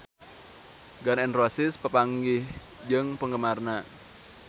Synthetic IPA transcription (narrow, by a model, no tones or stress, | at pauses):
ɡanɛnrosɪspəpaŋɡɪh | d͡ʒəŋpəŋɡəmarna